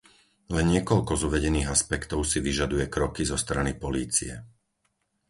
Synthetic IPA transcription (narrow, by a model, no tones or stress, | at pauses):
lɛnɲɪɛkɔʎkɔzuʋɛɟɛniːɣaspɛkt̪ɔʊsiʋiʒad̪ujɛkɾɔkizɔst̪ɾanipɔliːt͡sḭɛ